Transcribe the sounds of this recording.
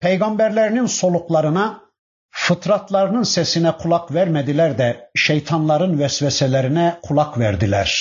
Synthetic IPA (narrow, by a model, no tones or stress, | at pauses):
pʰejɡɑmbæɾlæɾininsolˠuklˠɑɾɯnɑ | fɯt̪ʰɾɑt̪ʰlˠɑɾɯnɯnsɛsinɛkʰulˠɑkvæɾmæd̪ilæɾd̪ɛʃejt̪ʰɑnlˠɑɾɯnvɛsvɛsɛlæɾinɛkʰulˠɑkʰvæɾd̪ilæɾ̥